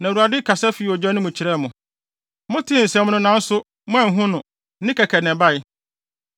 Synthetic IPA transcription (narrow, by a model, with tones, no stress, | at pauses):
nã˨ɾu˨a˨dɪ˦kʰa˨sɛ˦fi˨ɔ˨d͡ʑɛ˦nʊ̃˦mʊ̃˨t͡ɕʰi˨ɾɛ˦˨mʊ̃˨ | mʊ̃˦tʰɪ˦˨n̩˨sɛ̃˨mʊ̃˦nʊ̃˦nã˦n̩˦sʊ˦ | mʊ̃˦ã˨ŋ̩˨ɦʊ̃˦nʊ̃˨˦ | nɪ̃˦kʰɛ˨kʰɛ˨nɛ̃˨ba˦˨ɪ˦